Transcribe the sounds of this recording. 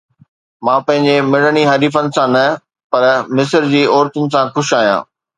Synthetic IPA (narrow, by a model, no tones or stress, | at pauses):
mãːpɐ̃ɦɪ̃ɲ̆d͡ʑemɪɽ̤əɽ̃iɦɐɾiːfənɪ̆sãnɐ | pɐɾmɪsəɾd͡ʑiːɔːɾt̪ʊnɪ̆sãxʊʃaːɦijã̰ː